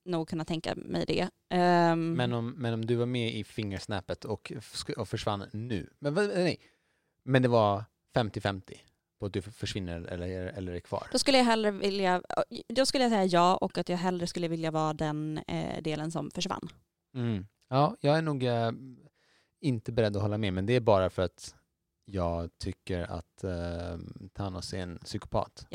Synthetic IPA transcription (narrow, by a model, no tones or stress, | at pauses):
nuːɡ̚kʰɵnːat̪ʰɛŋka̰mʔɛ̰jd̪ɛ̰ | mɛnɔmːɛnɔmd̪ɵvaɾmɛɪfɪŋːəʂnɛːpət̪ʰɔkɔfœʂva̰nːʉ̟̰ːmɛnɛ | mɛnd̪ɛvaɾ | fɛmt̪ɪfɛmt̪ʰɪ | pʰɔat̪̚d̪ɵfœʂvɪnːəɛ̰lːəɾɛlːəɾæɾkʰvɑ̰ːɾd̥̪ɔskɵlːəjaɦɛlːɾəvɪljad̪ɔskɵlːəjasɛjːajɑːʔɔkːat̪jɑːɡɦɛlɾəskɵlːəvɪljavɑːd̪ɛn̰d̪eːlənsɔmfœʂva̰n̩ː | ɑːjɑːɡæɳuːɡ | ɪnt̪əbɛɾɛd̪ːɔhɔlːamɛmɛnd̪ɛæbɑːɾafœɾat̪ | jɑːɡt̪ʰʏkːəɾa̰t̪ | t̪ʰːanɔsɛɛnsʏkʊ̥pʰɑ̰ːt̪